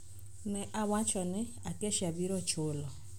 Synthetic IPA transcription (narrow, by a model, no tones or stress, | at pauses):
nɪʔawat͡ʃɔnɪ | akeʃabiɾɔt͡ʃolɔ